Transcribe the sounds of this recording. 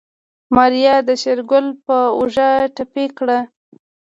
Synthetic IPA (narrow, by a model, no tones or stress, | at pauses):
mɑɾijɑd̪əʃeɾɡʊlpəṵʒaʈapekɽa